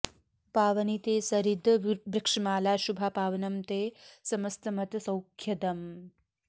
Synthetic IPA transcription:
paːʋɐnit̪eːsɐɾid̪ʱbɾikʂɐmaːlaːʃubʱapaːʋɐnɐmt̪eːsɐmɐst̪ɐmɐt̪ɐsɐwkʰjɐd̪ɐm

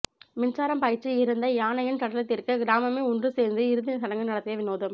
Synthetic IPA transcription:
mɪnt͡ʃaːɾɐmpɐjɪt͡ʃːɯɪɾɯnd̪ɐjaːnɐjɪnt̪ɐɽɐlɐt̪ːɪɾkɯɡɪɾaːmɐmeːʊndrɯseːɾnd̪ɯɪɾɯðɪnɐsɐɽɐŋɡɯnɐɽɐt̪ːɪjɐʋɪnoːðɐm

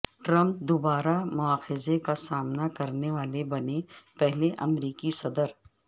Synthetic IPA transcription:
ʈɾɐ̃mp̚d̪obaːɾamʊaːxɪzekasaːmnakɐɾneʋaːlebɐnepɛɦleʔɐmɾiːkisɐd̪əɾ

